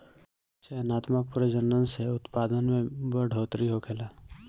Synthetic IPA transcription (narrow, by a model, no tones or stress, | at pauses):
seənaːt̪mək̚pɾəd͡ʒənənseʊt̪paːd̪ənmẽbəɖʱoːt̪ɾiɦokʰelaː